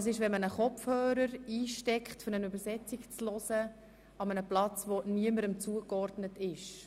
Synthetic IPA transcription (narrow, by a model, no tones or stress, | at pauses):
s̬ɪʃvɛnmənəχɔfhøːɾəɾiːʃtɛkχtføɾnənʉbəɾsɛt͡sikt͡slɔsə | ɑmənəplɑt͡sʋoniəməɾəmt͡suəkɔrdnətɪʃ